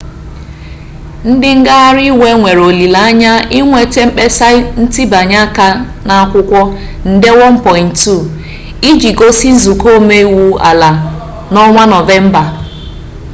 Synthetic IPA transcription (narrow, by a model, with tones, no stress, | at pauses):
n̩˦dɪ˦ŋ̩˦ɡa˦a˦ɾi˦we˦ŋʷe˨ɾo˨li˨la˨a˦ɲa˦i˦ŋʷe˨te˦m̩˦k͡pe˦sa˦n̩˦ti˦ba˨ɲa˦ka˦ | na˨a˦kʷʊ˦kʷɔ˦ | n̩˦de˦wɔ˦m̩˦pɔ˨ɪ˨ntu˦˨ | i˦d͡ʒi˨ɡo˦si˦n̩˦zu˨ko˦me˦i˦wu˦a̰˨la˨ | nɔ˦ŋʷa˦nɔ˨ve˦m̩˦ba˨